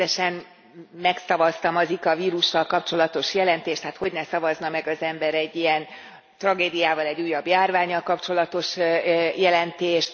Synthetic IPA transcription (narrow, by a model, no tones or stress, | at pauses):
ɛʃɛn | mɛksɒvɒst̪ɒmɒzikɒviːɾuʃːɒlkɒpt͡ʃo̞lɒt̪o̞ʃjɛlɛnt̪eːʃt̪haːt̪ho̞ɟnɛsɒvɒznɒmɛɡɒzɛmbɛɾɛɟːijɛn | t̪rɒɡeːd̪ijaːvɒlɛɟːuːjːɒbjaːrvaːɲːɒlkɒpt͡ʃo̞lɒt̪o̞ʃjɛlɛnt̪eːʃt̪